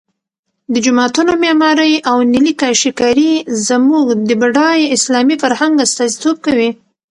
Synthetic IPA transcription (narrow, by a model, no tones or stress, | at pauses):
d̪əd͡ʒʊmɑt̪unomɑmɑɾəjʔawnilikɑʃikɑɾizəmuɡd̪əbaɖɑjɪslɑmifaɾhaŋɡast̪ɑzit̪ob̚kawi